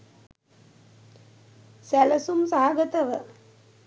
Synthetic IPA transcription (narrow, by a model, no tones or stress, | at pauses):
sæləsumsaɦaɡət̪əʋə